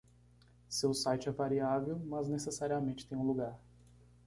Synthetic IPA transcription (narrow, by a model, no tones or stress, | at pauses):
sewsajt͡ʃɪɛvaɾiavewmɐznesesaɾiamẽnt͡ʃɪ̥t̪ẽj̃ũluɡaɾ